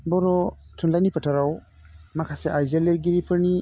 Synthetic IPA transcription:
bɔɾɔtʰunlajnipətʰaɾaw | makʰaseʔajzeleɾɡiɾipʰɯɾni

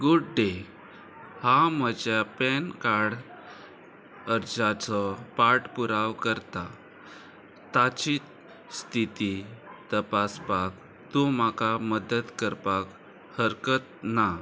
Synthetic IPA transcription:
ɡuɖɖe | haməd͡ʑapɛnkaɽ | əɾd͡zat͡sɔpaʈpuɾaʋkəɾt̪a | t̪at͡ɕiːt̪ | st̪ʰit̪it̪əpasbak̚ | t̪omakaməd̪ət̪kəɾpak | həɾkət̪̚na

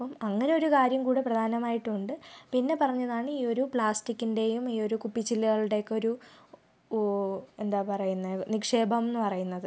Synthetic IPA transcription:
ɐpːɐmɐŋːɐne̞o̞ɾukaːɾjɐmkuːɽeprɐd̪ʱaːnɐmaːjiʈːɨuɳɖɨpinːe̞pɐrɐɲːɐðaːɳiːo̞ɾupɭaːstikːinde̞jumiːo̞ɾukupːit͡ɕːilːɐɣɐɭɽe̞kːo̞ɾu | e̞nd̪aːpɐrɐjunːɐnikʂe̞ːbʱɐmnːɨpɐrɐjunːɐðɨ

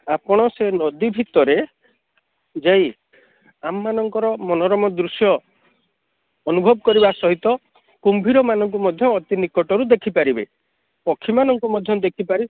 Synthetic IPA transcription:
apɔɽ̃ɔsenɔd̪ibʱit̪ɔɾe | d͡ʒej | amːanɔŋkɔɾɔmɔnɔɾɔmɔd̪ɾusjɔ | nubʱɔb̚ɔkɔɾiβasɔɦit̪ɔ | kumbʱiɾɔmanɔŋk̬umɔd̪ʱjɔːt̪inikɔʈɔɾud̪ekʰipaɾibḛ | pɔkʰːimanɔŋkumɔd̪ʱjɔd̪ekʰipaɾi

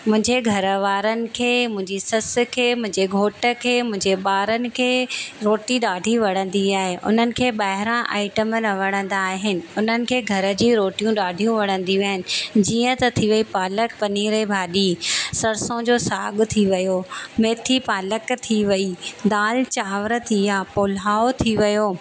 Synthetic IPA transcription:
mʊ̃ɦɪ̃ɲd͡ʑeɡʱɐɾəʋaːɾənɪ̆kʰeːmʊ̃ɦɪ̃ɲd͡ʑisɐs̆kʰeːmʊ̃ɦɪ̃ɲd͡ʑeɡʱoːʈə̆kʰeːmʊ̃ɦɪ̃ɲd͡ʑeɓaːɾənɪ̆kʰeːɾoːʈiɗaːɖʱiʋɐɽ̤̃ə̃nd̪iaːɦeʔʊ̰n̤ənɪ̆kʰeːɓaːɦɪɾãʔa̰ːɪʈəmənɐʋɐɽ̃ə̃nd̪aːɦɪnɪ̆ʊn̤ənɪ̆kʰeːɡʱɐɾə̆d͡ʑiːɾoːʈijũɗaːɖʱijũʋɐɽ̃ə̃nd̪iʋiaːɪnɪ̆d͡ʑiːə̃t̪ɐt̪ʰiʋɐipaːləkpɐniːɾebʱaːɗisɐɾsõd͡ʑoːsaːɠt̪ʰiʋɐjomeːt̪ʰipaːləkt̪ʰiʋɐid̪aːlt͡ɕaːʋɾə̆t̪ʰiaːpoːlaːot̪ʰiʋɐjoː

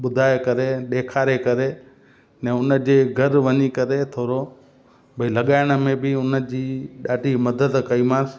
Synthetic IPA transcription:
ɓʊd̪ʱaːekɐɾeɗeːkʰaːɾekɐɾe | nɛ̃ːʊnə̆d͡ʑeːɡʱɐɾʋɐɲikɐɾet̪ʰoːɾo | bʱɐilɐɠaːɪɽ̃ə̆mẽbɪʊnə̆d͡ʑiːɗaːɖʱimɐd̪əd̪kɐiːmãːs

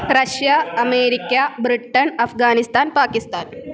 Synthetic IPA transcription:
ɾɐʃjɐɐmeːɾikʲːaːbɾiʈːɐnɐfɡaːnist̪aːnpaːkist̪aːn

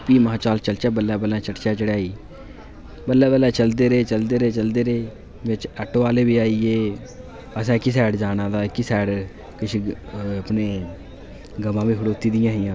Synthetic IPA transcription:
piːməãːt͡ʃaːlt͡ʃəlt͡ʃaːbəlːɛːbəlːãːt͡ʃəʈt͡ʃaːt͡ʃəɽaːiː | bəlːɛːbəlːɛːt͡ʃəld̪eːɾeːt͡ʃəld̪eːɾeːt͡ʃəld̪eːɾeː | ʋɪt͡ʃɛʈːaːleːʋiːaːieː | əsɛ̃ːkɪsɛːɽd͡ʒaːnãːd̪aːkɪsɛːɽ | kɪt͡ʃʰːəpneː | ɡəmãːʋiːɦʊɽoːt̪iːd̪ɪjãːɦɪjãː

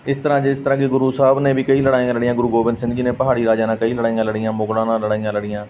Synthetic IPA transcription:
ɪst̪əɾãːd͡ʒɪst̪əɾãːkiɡʊɾuːsaːbneːbiːkəiːləɽaːijãːləɽɪjãːɡʊɾuːɡoːbɪnd̪sɪ̃ŋd͡ʒiːnẽːpəɦaːɽiːɾaːd͡ʒãːnãːkəiːləɽaːijãːləɽijãːmʊɡɽãːnãːləɽaːijãːləɽijãː

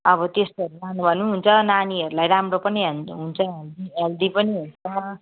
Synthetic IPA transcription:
ʌβʌt̪esʌɾulanubʱʌnːuɦunt͡sʰʌnaniʌɾulajɾamropʌniɦʌɦunt͡sʰʌeld̪ield̪ipʌniɦunt͡sʰʌ

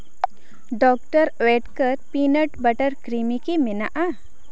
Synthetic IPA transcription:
ɖɔk̚ʈəɾɛʈkəɾpinəʈbəʈəɾkɾimikimɛna̰ʔa

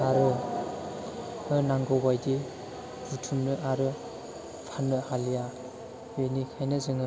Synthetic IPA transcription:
aɾɯ | ɯnaŋɡɔbajdi | ɾutʰunːɯʔaɾɯ | pʰanːɯhalija | wenikʰajnɯzɯŋɯ

